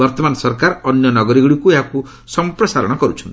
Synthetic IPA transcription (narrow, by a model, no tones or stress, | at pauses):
ʌrt̪ʌmansʌrkaɾʌnjʌnʌɡʌɾiɡɽikueɦãku | sʌmprʌsaɾʌ̰ɽ̃ʌɡʌɾut͡sʰun